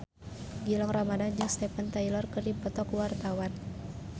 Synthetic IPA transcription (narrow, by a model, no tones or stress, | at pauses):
ɡilɔŋramadad͡ʒɨŋst̪ɛpant̪ailɔrkɨrdipɔt̪ɔkwart̪awan